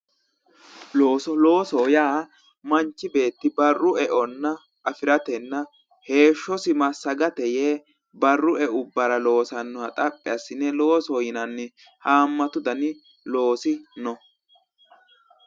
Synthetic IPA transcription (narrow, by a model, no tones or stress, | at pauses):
loːsɔlo̞ːsɔjaː | mɐnt͡ʃːɪbe̞ːt̪ːɪbɐrːʊɛʔɔnːɐ | ʔɐfɪɾɐt̪ɛnːɐ | he̞ːʃːɔsɪmɐsːɐɡɐt̪ɛjeː | bɐrːʊɛʊbːɐɾɐlo̞ːsɐnːɔɐt̪ʼɐpʼːɛɐsːɪnːɛlo̞ːsɔjɪnɐnːɪ | haːmːɐt̪ʊd̪ɐnɪ | lo̞ːsɪnɔ